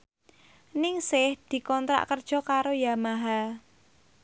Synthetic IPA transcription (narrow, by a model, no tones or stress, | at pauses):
nɪŋsɪhd̪̥i̤kɔnt̪ɾa̰ʔkərd̥ʒ̥ɔ̤kaɾojamaɦa